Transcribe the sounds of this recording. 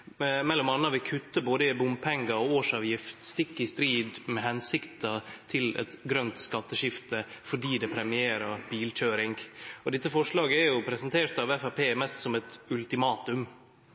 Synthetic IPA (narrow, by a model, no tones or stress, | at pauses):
mɛlːɔmɑnːɑʋɪlkʰʉt̪ːəboːd̪əɪbʊmpʰɛŋɡɑɔoːʂɑːʋjɪft̪st̪ɪkːɪst̪ɾiːd̪mɛhɛnsɪkt̪ɑt̪ʰɪlɛ̰t̪ɡɾœnt̪skɑt̪ːəʃɪft̪əfɔɖiːd̪ɛpʰɾɛmɪeːɾɑɾb̥iːlc͡çøːɾɪŋɡɔd̪ɪt̪ːəfɔʂɭɑːɡəɛɾjʊpʰɾɛsɛnt̪ʰeːɾt̪ɑʋɛfæpʰeːmɛst̪sɔmɛt̪ʉlt̪ɪmɑːt̪ʉm